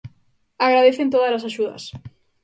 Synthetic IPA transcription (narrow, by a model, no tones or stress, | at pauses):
aɣɾaðeθent̪oðalasaʃuðɐ̰s